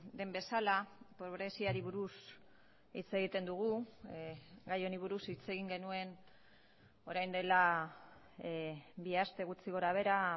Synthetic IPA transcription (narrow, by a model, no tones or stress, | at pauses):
d̪e̞mbe̞salapoβɾe̞siaɾiβuɾus | it͡se̞ɣ̞it̪e̞nd̪uɣ̞u | ɡajo̞niβ̞uɾusit͡se̞ɣ̞iŋɡe̞nue̞n | o̞ɾajnd̪e̞la | biast̪e̞ɣut͡siɣo̞ɾaβ̞e̞ɾa